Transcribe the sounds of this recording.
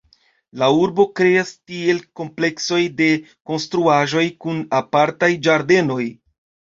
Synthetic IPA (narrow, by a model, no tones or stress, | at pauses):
lauɾbo̞kɾe̞astie̞lko̞mple̞kso̞jde̞ko̞nstɾuaʒo̞jkunapaɾtajd͡ʒaɾde̞no̞j